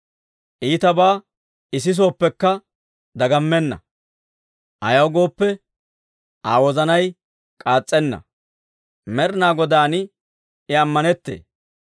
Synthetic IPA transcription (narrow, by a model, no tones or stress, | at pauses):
ʔiːt̪ɐbaː | ɪs̬ɪs̬o̞ːpːɛkːɐ | d̪ɐɡɐmːɛnːɐ̰ | ʔɐ̰jɐwɡo̞ːpːɛ | ʔaːwɔzɐnɐj | kʼaːt͡sʼːɛnːɐ̰ | mɛɾnaːɡɔd̪aːnɪ | ɪɐmːɐnɛt̪ːḛː